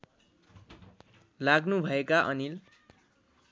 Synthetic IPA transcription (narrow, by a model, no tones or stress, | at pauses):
laɡnubʱʌekaʔʌnil